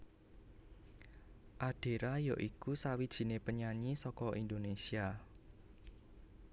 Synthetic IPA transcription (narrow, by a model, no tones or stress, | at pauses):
ʔaɖ̥e̤ɾajɔʔikusawid̥ʒ̥i̤nepəɲaɲisɔkɔʔind̪onesia